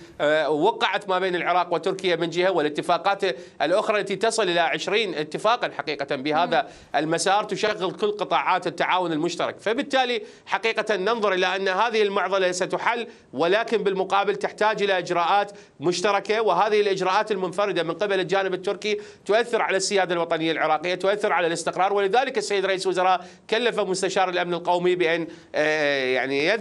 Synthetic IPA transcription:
wɑqːɑʕat̪maːbeːnɪlʕɪɾˤɑːqwɪt̪ːʊɾkɪjːamɪnd͡ʒɪhawɪlʔɪt̪ːɪfaːqɑːt̪ʔɪlʔʊxɾˤɑlːat̪it̪ɑsˤɨlʔɪlaʕɪʃɾiːnʔɪt̪ːɪfaːqɑnħaqiːqat̪anbɪhaːða | ʔɪlmasɑːɾˤt̪ʊʃaɣːɪlkʊlːqɨt̪ˤɑːʕaːt̪ɪt̪ːaʕaːwʊnɪlmʊʃt̪ɑɾˤɑ̰kfabɪt̪ːaːli | ħaqiːqat̪anːɨnðˤʊɾˤʔɪlaʔanːhaːðɪhɪlmʊʕðˤɑlasat̪ʊħalː | wɪlaːkɪnbɪlmʊqɑːbɪlt̪ɪħt̪aːd͡ʒʔɪlaʔɪd͡ʒɾɑːʔaːt̪ | mʊʃt̪ɑɾˤɑkawɪɦaːðɪhɪlʔɪd͡ʒɾɑːʔaːt̪ɪlmʊnfɑɾɨd̪amɪnqɪbalɪld͡ʒaːnɪbɪt̪ːʊɾkit̪ʊʔaθːɪɾʕalasːɪjaːd̪alwɑt̪ˤɑnɪjːalʕɪɾˤɑːqɪjːat̪ʊʔaθːɪɾʕalalɪst̪ɪqɾˤɑːɾˤwɪlɪðaːlɪkɪsːajːd̪ɾˤɑʔiːslwʊzɑɾˤɑːʔ | kalːafamʊst̪aʃɑːɾˤɪlʔamnɪlqowmibɪʔan | jaʕnija

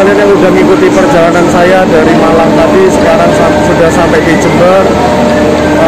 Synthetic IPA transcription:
ljanauɖaŋiŋɡut̪ipərd͡ʒalanansajad̪aɾimalamlab̪iskaɾansamsud̪asamed̪it͡ʃənb̪əɾ

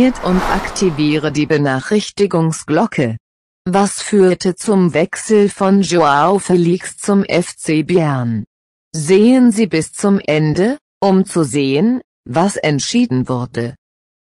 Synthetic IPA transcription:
ɐtʰʊntʔa̰ktʰiviːʁədiːbənaːχʁ̥ɪçtɪɡʊŋsɡ̥lɔkʰə | vasfyːɐtʰət͡sʊmvɛksl̩fɔnʒoaofɛliːkst͡sʊmʔɛft͡seːbeɛɐn | zeːənziːbɪst͡sʊmʔɛndə | ʔʊmt͡suzeːən | vasɛntʃiːdn̩vʊɐdə

